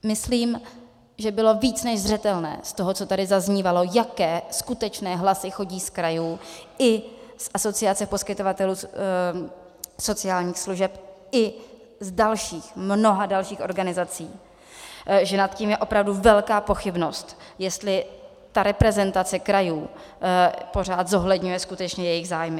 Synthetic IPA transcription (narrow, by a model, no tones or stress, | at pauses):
mɪsliːm | ʒɛbɪlo̞viːt͡snɛʒzr̝ɛt̪ɛlnɛ̰ːst̪oɦot͡sot̪adɪzazɲiːvalo̞jakɛːskut̪ɛt͡ʃnɛːɦlasɪxo̞ɟiːskɾajuːɪsʔaso̞t͡sɪat͡sɛpo̞skɪt̪o̞vat̪ɛluː | so̞t͡sɪaːlɲiːxsluʒɛpʔɪ | zdalʃiːxmno̞ɦadalʃiːxʔo̞ɾɡanɪzat͡siː | ʒɛnat̪ciːmjɛʔo̞pɾavduvɛlkaːpo̞xɪbno̞st̪jɛst̪lɪ | t̪aɾɛpɾɛzɛnt̪at͡sɛkɾajuː | po̞ɾ̝aːt̪zo̞ɦlɛdɲujɛskut̪ɛt͡ʃɲɛjɛjɪɣzaːjmɪ